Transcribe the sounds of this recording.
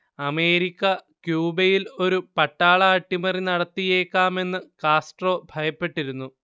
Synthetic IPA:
ɐme̞ːɾikʲːɐkjuːbɐjilo̞ɾupɐʈːaːɭɐːʈːimɐrinɐɽɐt̪ːije̞ːkːaːme̞nːɨkaːsʈro̞ːbʱɐjɐpːe̞ʈːiɾunːu

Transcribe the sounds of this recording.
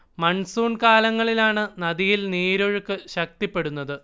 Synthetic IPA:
mɐɳsuːɳkaːlɐŋːɐɭilaːɳɨnɐðijilniːɾoɻɨkːɨɕɐk̚t̪ipːe̞ɽunːɐðɨ

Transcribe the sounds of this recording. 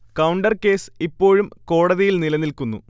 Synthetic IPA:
kɐwɳɖɐrke̞ːsipːo̞ːɻumko̞ːɽɐðijilnilɐnːilkunːu

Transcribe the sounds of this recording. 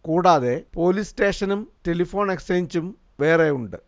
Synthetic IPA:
kuːɽaːðe̞po̞ːlisʈe̞ːʂɐnumtelifo̞ːɳekseɲt͡ɕum | ʋeːrejuɳɖɨ̰

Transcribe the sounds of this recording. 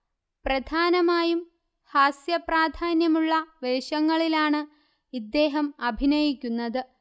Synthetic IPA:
prɐd̪ʱaːnɐmaːjum | haːsjɐpraːd̪ʱaːnjɐmuɭːɐʋe̞ːɕɐŋːɐɭilaːɳɨ | id̪ːe̞ːɦɐmɐbʱinɐjikʲːunːɐðɨ

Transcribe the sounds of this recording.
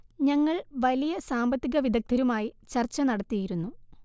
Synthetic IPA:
ɲɐŋːɐɭʋɐlijɐsaːmbɐt̪ːiɣɐʋid̪ʱɐk̚t̪ʰɐɾumaːjit͡ɕɐrt͡ɕːɐnɐɽɐt̪ːijiɾunːu

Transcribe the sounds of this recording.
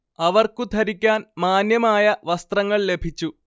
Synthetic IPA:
ɐʋɐrkut̪ʰɐɾikʲːaːnmaːnjɐmaːjɐʋɐst̪rɐŋːɐɭle̞bʱit͡ɕːu

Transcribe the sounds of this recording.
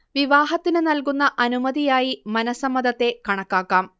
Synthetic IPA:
ʋiʋaːɦɐt̪ːinɨnɐlk̬unːɐʔɐnumɐðijaːjimɐnɐsɐmːɐd̪ɐt̪ːe̞kɐɳɐkːaːkːaːm

